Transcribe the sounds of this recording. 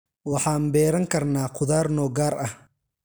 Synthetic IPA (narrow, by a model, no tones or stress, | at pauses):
wɑħɑːnbɛːɾɐŋkʰɐrnaːqʰʊðaːrnɔːɡaːɾɐh